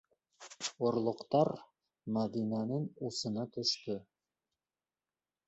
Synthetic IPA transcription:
ŏɾlˠŏqt̪ɑɾ | mæd̪inænɘŋusɤ̆nɑt̪ɵ̆ʃt̪ɵ

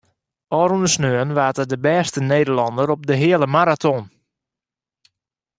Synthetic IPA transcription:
ɔːɾunəsnøənʋaːtədəbɛːstəneːdəlɑndəɾɔp̚dəɦɪələmaɾatʰɔn

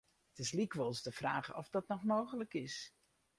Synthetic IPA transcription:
tɪslikʋɔlˠsdəfraːɣə̰ɔ̰fdɔtnɔxmoːɣələkɪs

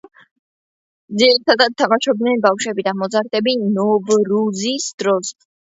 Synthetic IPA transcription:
d̪ziɾit̪ʰad̪at̪ʰamaʃɔb̚d̪nɛnbafʃwɛbid̪amɔzaɾt̪ʼɛbinɔvɾuzisd̪̥ɾɔs

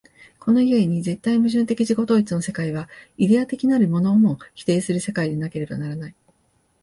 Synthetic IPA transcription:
ko̞no̞ie̞ɲ̟ize̞t̪ːaimɯ̟ʑɨ̃nt̪e̞kʲiʑiɡo̞t̪o̞ːit͡sɨno̞se̞kaiβ̞aid̪e̞at̪e̞kʲinaɾɯ̟mo̞no̞ːmo̞çi̥t̪e̞ːsɨɾɯ̟se̞kaid̪e̞nake̞ɾe̞banaɾanai

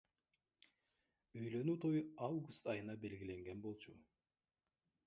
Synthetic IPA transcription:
øjlø̞nyːt̪ʰo̞juɑwɡust̪ɑjɯnɑbe̞lɡʲile̞ŋɡe̞nbo̞lˠt͡ʃʰu

